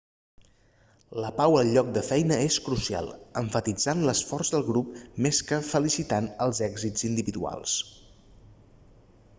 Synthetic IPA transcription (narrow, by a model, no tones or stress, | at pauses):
ləpawəlˠʎɔk̚d̪əfɛjnəeskɾusia̰lˠəɱfət̪id͡zanləsfɔrzðəlˠɣɾup̚meskəfəlisit̪anəlˠzɛɡzid͡zind̪iβiðua̰lˠs